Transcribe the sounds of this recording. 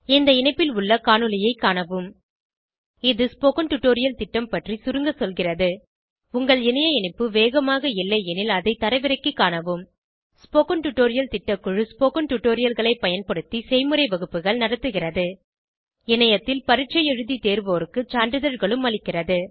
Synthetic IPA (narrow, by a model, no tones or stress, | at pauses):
ɪnd̪ɐɪnɐɪpːɪlʊɭːɐkaːɳɯlɪjɐɪkːaːɳɐʋɯm | ɪðɯspoːkɐɳʈʊʈːoːɾɪjɐlt̪ɪʈːɐmpɐʈrisʊɾɯŋɡɐsɔlɣɪrɐðɯ | ʊŋɡɐɭɪnɐjɐɪɳɐɪpːɯʋeːɣɐmaːɣɐɪlːɐɛnɪlɐðɐɪt̪ɐɾɐɪʋɪɾɐɪkːɯkːaːnɐʋɯm | spoːkɐnʈʊʈːoːɾɪjɐlt̪ɪʈːɐkːʊɻɯspoːkɐnʈʊʈːoːɾɪjɐlɣɐɭɐɪpːɐjɐnpɐɽɯt̪ːisɛɪmɯɾɐɪʋɐɣɯpːɯɣɐɭnɐɽɐt̪ːɯɣɪrɐðɯ | ɪnɐjɐt̪ːɪlpɐɾɪʈ̚t͡ʃɐjɛɻɯðit̪eːɾʋoːɾɯkːɯt͡ʃaːɳɖɯðɐɾɣɐɭɯmɐɭɪkːɪrɐðɯ